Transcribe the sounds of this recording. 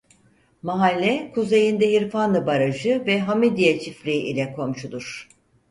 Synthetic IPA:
maɦalʲːɛkʰuze̞jind̪ɛɦiɾfanɯbaɾaʒɯvɛɦamid̪ijat͡ʃʰifɾʲiʔḭlʲɛkʰo̞mʃud̪uɾ̥

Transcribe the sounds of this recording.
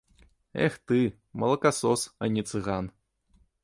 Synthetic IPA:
ɛ̰xt̪ɨ | mɐlˠɐkasɔsɐnʲit̪sɨɣan

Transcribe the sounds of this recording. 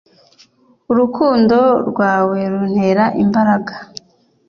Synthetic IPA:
uɾukuːndo̞ɾɡwaːwe̞ɾun̥he̞ɾaʔimbaɾaɡḁ

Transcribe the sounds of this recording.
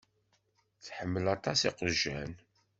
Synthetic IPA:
θħəmːəlɑt̪ˤɑsiqəʒæn

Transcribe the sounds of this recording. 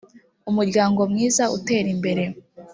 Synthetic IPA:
umuɾɟaːŋɡo̞mŋiːzaṵte̞ːɾimbe̞ɾe̞

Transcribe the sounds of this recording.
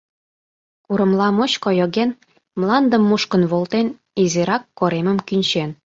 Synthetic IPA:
kuɾə̆mlɑmoɕkojoɣen | mlɑnd̪ə̆mːuʃkə̆nβolˠt̪en | iziɾɑkːoɾemə̆mkynʲt͡ɕen

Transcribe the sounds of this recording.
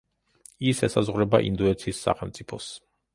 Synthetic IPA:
isɛsazʁwɾɛbaʔḭnd̪uɛt̪sʰiːsːa̰χɛlˠmt̪sʼipʰɔs

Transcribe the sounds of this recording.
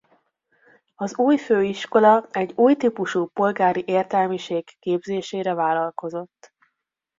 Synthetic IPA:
ɒzuːjføːiʃko̞lɒɛɟːuːjt̪iːpuʃuːpo̞lɡaːɾiʔeːrt̪ɛlmiʃeːɡːeːbzeːʃeːɾɛvaːlɒlko̞zo̞t̪ː

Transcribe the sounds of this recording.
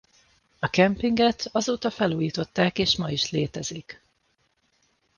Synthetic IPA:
ɒkɛmpiŋɡɛt̪ɒzoːt̪ɒfɛluːjiːt̪o̞t̪ːaːkeːʃmɒiʃleːt̪ɛzik

